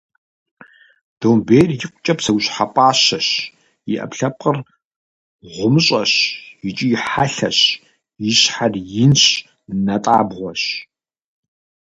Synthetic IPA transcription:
d̥owmbejrjɪqʷʊt͡ʃʼɐpsɐwʷɕħapʷʼɑːɕɐɕ | jɪʔɐ̰pɬɐp̚qər | ʁʷʊmɨɕʼɐɕjit͡ʃʼijɪħaɬɐ̰ɕ | jɪɕħarjɪnɕ | nɐtʼaːbʁʷɔɕ

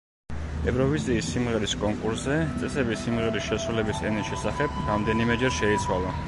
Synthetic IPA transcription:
ɛvɾɔviziːsːimʁɛɾiskʼɔŋkʼuɾszɛt̪sʼɛsɛbisːimʁɛɾisʃɛsɾulɛbisɛnisʃɛsaχɛb̥ɾamd̪ɛnimɛd͡ʒɛɾʃɛit̪sʰwalˠa

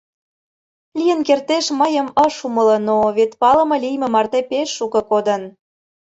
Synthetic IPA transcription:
lʲijənkert̪eʃməjəməʃumələ̆noβet̪pɑlə̆mɤ̆lijmĕmɑrt̪epeʃːukɤ̆kod̪ə̆n

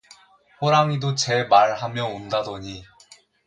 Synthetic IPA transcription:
ɸoɾaŋidot͡ɕe̞maɭɦamjʌondadʌɲi

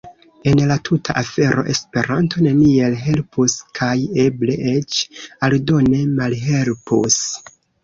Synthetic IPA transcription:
e̞nlatʰutʰaʔafe̞ɾʔo̞̰ʔe̞spe̞ɾantʰo̞ne̞nie̞lɦe̞lpuskʰaje̞ble̞ʔet͡ʃaldo̞ne̞malɦe̞lpṵs

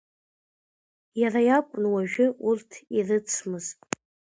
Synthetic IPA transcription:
jarajakʷʼnwaʒᶣɪurtʰirɨt͡sʰmɨzʼ

